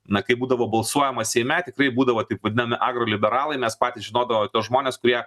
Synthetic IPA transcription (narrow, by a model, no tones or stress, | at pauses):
nɐkɐɪbuːd̪ɐʋoːbɐlˠsuɔjɛmɐsʲɛɪmʲɛt̪ʲɪkɾɐɪbuːd̪ɐʋoːt̪ɐɪpʋɐd̪ʲɪnɐmʲɪʔɑːɡɾoːlʲɪbʲɛɾɑːlˠɐɪmʲɛspɑːtʲiːsʒʲɪnoːd̪ɐʋomt̪ʲoːsʒmoːnʲeːskʊɾʲiɛ